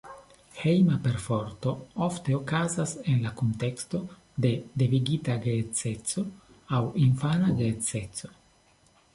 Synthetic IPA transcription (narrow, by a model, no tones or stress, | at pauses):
he̞jmape̞ɾfoɾto̞ofte̞okazase̞nlakonte̞ksto̞ | de̞deviɡitaɡet͡se̞t͡so̞ | awinfanaɡet͡se̞t͡so̞̥